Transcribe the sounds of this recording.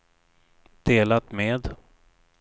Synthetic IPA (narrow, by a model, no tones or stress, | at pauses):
d̪̥eːlat̪meːd̪